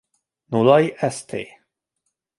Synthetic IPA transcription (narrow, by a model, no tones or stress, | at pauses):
nulajʔɛst̪ʰḛj